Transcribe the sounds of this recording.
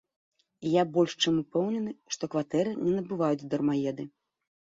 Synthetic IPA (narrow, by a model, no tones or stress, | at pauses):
jabɔlʲʂt͡ʂɛmupɛwnʲɛnɨʂt̪ɔkvat̪ɛɾɨnʲɛnɐbɨvajut͡sʲd̪ɐrmajɛd̪ɨ